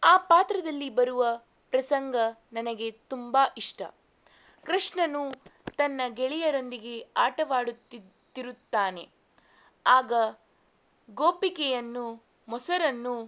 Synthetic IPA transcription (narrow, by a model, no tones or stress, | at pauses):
aːpaːt̪ɾɐd̪ɐlːibɐɾuʋɐ | pɾɐsɐŋɡɐnɐnɐɡe̞t̪umbaːʔiʂʈɐ̰ | kɾiʂɳɐnut̪ɐnːɐɡɛɭijɐɾo̞nd̪iɡe̞aːʈɐʋaːɽut̪ːi | t̪ːiɾut̪ːaːne̞̰ | aːɡɐ | ɡoːpikɛjɐnːu | mɔsɐɾɐnːu